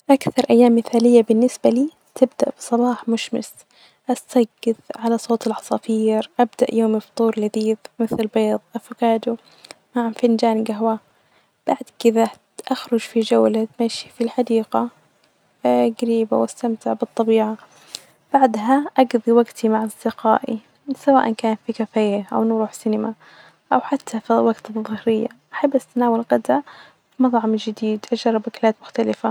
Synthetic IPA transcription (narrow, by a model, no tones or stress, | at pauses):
ʔakθɑɾˤʔajːaːmːɪθaːlɪjːabɪnːɪsbaliː | t̪ɪb̚d̪a̰ʔb̥ɨ̥sˤɑlɑːħmʊʃmɪ̰s | ʔast̪aɡːɪðʕalasˤoːt̪ɪlʕɑsˤɑfiːɾʔabd̪aʔjoːmɪft̪ˤuːɾˤlɪðiːðmɪθlbeːðˤʔafʊɡaːd̪u | maʕfɪnd͡ʒaːnɡaɦwa | b̥aʕd̪kɪða | ʔaxɾˤʊd͡ʒfid͡ʒawlat̪maʃi̥filħad̪iːɡa | ɡaɾiːba̰wʔast̪amt̪ɪʕbɨt̪ˤːɑbiːʕa | b̥aʕd̪ɦaʔɑɡðˤiwaɡt̪ʰimaʕɑsˤd̪ɪqa̰ːʔi | sawaːʔankaːnfikafaːjɪʔa̰wnɾuːħsɪnɪma | ʔawħat̪ʰːafiwaɡt̪ðˤʊhɾɪjːa̰ʔaħabːʔast̪anaːwalɣad̪ʕa | fimɑt̪ˤʕɑmd͡ʒɪd̪iːd̪ʔad͡ʒɑrˤːɑbaklaːt̪mʊxt̪alɪfa